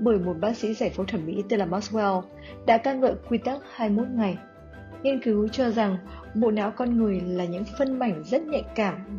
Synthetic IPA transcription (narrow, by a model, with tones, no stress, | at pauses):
ɓəː˧˩jmo˨˩t̚ɓaː˧sḭ˧˥zaː˧˩jfo˨˦wt̪ʰə˧˩mmḭ˧˥t̪e˧laː˧˩maː˦˥tsɛ˧w | ɗa̰ː˧˥kaː˧nŋə̰ː˧˨jkwi˧t̪a˦˥k̚haː˧jmo˦˥t̚ŋa˨˩j | ŋi˧ənkɨ˨˦wt͡ɕɔ˧za˨˩ŋ | ɓo̰˧˨na̰ː˧˥wkɔ˧nŋɨ˨˩əjlaː˨˩ɲɨ̰˧˥ŋfə˧nma˨˧˩jŋ̟zə˦˥t̚ɲɛ̰˧˨nkaː˧˩m